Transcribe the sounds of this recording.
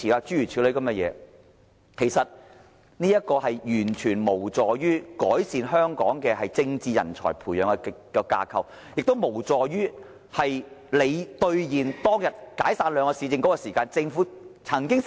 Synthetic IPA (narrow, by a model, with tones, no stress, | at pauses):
iː˨aː˧t͡ʃyː˥ɥyː˨˩iː˨˧˥le˨˥jkɐ˨˧˥mɐ˧jɛ̰ː˨˧ | kʰe˨˩jsɐ˨t̚ | niː˥jɐ˥t̚kɔː˧hɐ˨jjyː˨˩nt͡ʃʰyː˨˩nmo˨˩wt͡sɔː˨jyː˥kɔː˨˥jsiː˨˧nɦœː˥ŋkɔː˨˥ŋkɛː˧hɐ˨jt͡sɪ˧ŋt͡siː˧jɐ̰˨˩nt͡ʃʰɔ̰ː˨˩jpʰuː˨˩jœː˨˥ŋɛ˧kɔ˧ka̰ː˧kʰɐ̰˨˩w | jɪ˨k̚t̪o˥wmo˨˩wt͡sɔː˨jyː˥ | hɐ˨jle˨˧jt̪ɵ˧ɥjiː˨˩nt̪ɔː˥ŋjɐ˨t̚kaː˨˥jsaː˧nlœː˨˧ŋɔː˧siː˨˧t͡sɪ˨˧ŋkɔ˨˥kɔː˧siː˨˩kaː˧nt͡sɪ˧ŋfuː˨˥t͡sʰɐ˨˩ŋkɪ˥ŋ